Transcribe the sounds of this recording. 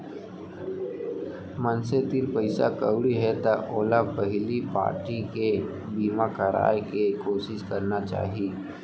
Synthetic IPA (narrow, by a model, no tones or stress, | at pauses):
mənset̪iɾpəɪsa̰kəwɽiɦɛt̪aʔoːlapəɦɪlipa̰ːɾʈike | biːmakəɾa̰ːjkekoːʃɪʃkəɾnat͡ʃa̰ːɦiː